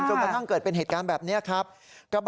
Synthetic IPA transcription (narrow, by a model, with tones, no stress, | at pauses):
t͡ɕo˧kɾa˧t̪ʰa˥˩ŋkɤː˨˩t̪̚pe˧nɦeː˨˩t̪̚kaː˧nbɛː˨˩p̚ni˦˥ɐkʰɾa˦˥p̚kɾa˧b